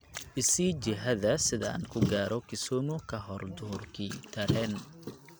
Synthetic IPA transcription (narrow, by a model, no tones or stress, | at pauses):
ʔɪsiːt͡ʃɪɦɐðɐsɪðɐa̰ːnkʰʊɡaːɾʔɔkʰɪsɔːmʊkʰɐɦɔrd̪ʊrkʰiːt̪ʰɐɾɛːn